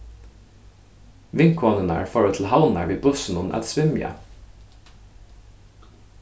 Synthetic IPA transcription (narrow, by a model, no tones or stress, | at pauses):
ʋɪŋkʰɔːnənæ̰ːɹfɔɹət̪ʰl̩hɑʊnæɹʋiːbʊsn̩ʊnʔɛ̰t̪sʋɪmjə̰